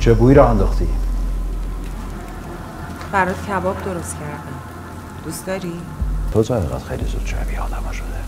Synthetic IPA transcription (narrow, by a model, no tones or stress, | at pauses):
t͡ʃʰebuiɾɒːænd̪oxt̪ʰḭ | bæɾɒːd̪̥cʰæbɒːbd̪o̞ɾo̞st̪cʰæɾd̪æm | d̪̥ust̪ɒːɾi | t̪ʰot̪ʰæheɣæ̰t̪xḛjlizud̪̥ʃʰæ̰biɒ̰ːd̪æmɒʃod̪e